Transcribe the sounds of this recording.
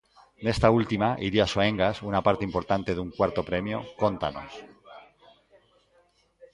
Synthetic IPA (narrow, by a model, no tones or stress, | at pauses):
nest̪ault̪imaʔiɾiasoe̞ŋɡasunapaɾt̪eimpo̞ɾt̪ant̪e̞ðuŋkwaɾt̪o̞pɾe̞mjo̞ko̞nt̪a̰no̞̰s